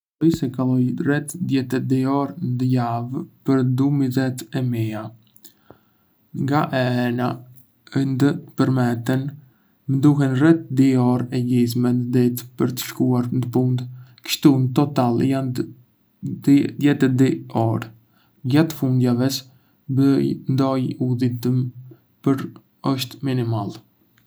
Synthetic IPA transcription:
ɔjsɛkalˠɔjrɛt̪d̪jɛt̪ɛd̪iɔɾnd̪əjavpəɾd̪umizɛt̪ɛmia | ŋɡaʔɛɛna | ənd̪ət̪ə̥pəɾmɛt̪ɛn | mənd̪uɦɛnrɛt̪̚d̪iɔɾɛɟis̬mɛnd̪əd̪it̪pəɾt̪ə̥ʃkuaɾnd̪əpund̪kə̥ʃt̪unt̪ɔt̪aljan | d̪jɛt̪ɛd̪iɔɾ | ɟat̪əfund̪javɛs | bəjnd̪ɔjuðit̪əm | pəɾ | əʃt̪minimal

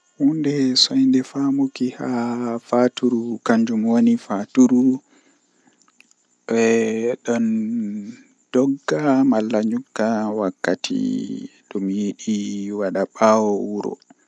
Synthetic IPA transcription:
hundɛsɔjndɛfamukihafatuɾukaɲd͡ʒumwonifatuɾu | ɓɛɗɔn | d̥ɔɡːamalːaɲukːawakːatʰḭɗɔmjiɗiwaɗaɓawɔuɾɔ̰

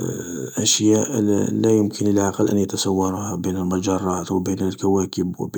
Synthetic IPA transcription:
ʔæʃjæʔlæjʊmkʰənlʕɑqɑlʔæ̰njat̪əsˤɑwːɑɾˤuhabinəlmʊd͡ʒɑrˤːɑt̪wəbinlkæwækəbwb

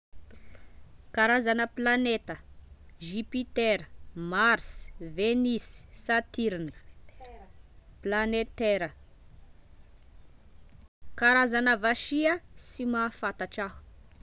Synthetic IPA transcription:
kaɾazanəplanet̪əʒipit̪eɾəmaɾsvenissat̪iɾinə̥ | planet̪eɾə | kaɾazanəvaʃiəsimaːfat̪aʈ͡ʂahu̥

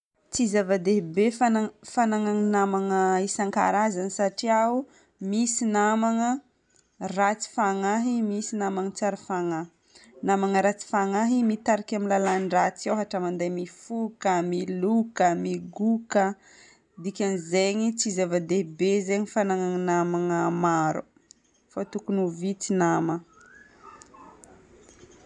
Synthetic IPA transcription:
t͡sizavad̪eɦibefafanaŋaŋinamaŋəisaŋka̰ɾazanisaʈ͡ʂiau | misinamaŋə | rat͡si̥faŋaɦimisinamaŋət͡saɾəfaŋai | namaŋəɾat͡si̥faŋaɦimit̪aɾakʲamilalanɖ͡ʐat͡siawɦaʈ͡ʂamand̪ajmifukəmilukəmiɡukə | d̪ikʲanizeɲit͡sizevad̪ebezeɲifanaŋaŋnamaŋəmaɾṵ | fat̪ukunuvit͡sinamə

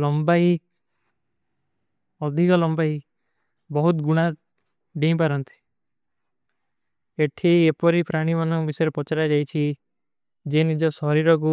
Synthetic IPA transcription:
lɔmbaj | ɔd̪ʱikɔlɔmbai | bɔɦut̪ɡuɽ̃a | ɖẽpaɾɔnt̪i̥ | eʈʰiepɔɾipɾaɽ̃imanɔbisɔjɾepɔt͡ʃaɾad͡ʒajt͡ʃʰi | d͡ʒenid͡ʒɔsɔɾiɾɔk̬u

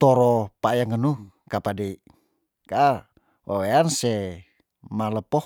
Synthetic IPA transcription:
t̪ɔɾɔpajaŋənu | kapadi | ka | wa̰weansɛ | maləpɔ

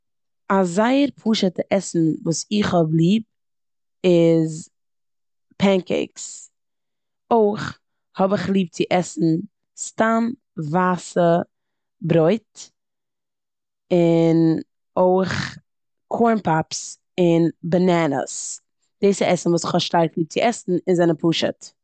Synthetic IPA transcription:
azaɪəɾpʰuːʃətəʔɛsn̩vuːsɪχhɔblˠiːb̚ | ɪz | pʰɛŋkɛ̰ɪks | oɪχ | hɔbɪχlˠiːp̚t͡sɪʔɛsn̩ | stam | vaːsə | bɾɔɪt | ɪn | oɪχ | kʰɔɹnpʰaps | ɪnbananə̰s | d̥ɪsɪɛsn̩vuːsɪχhɔʃtaɾklˠiːp̚t͡sɪʔɛsn̩ɪnzɛnəpʰuːʃə̰t

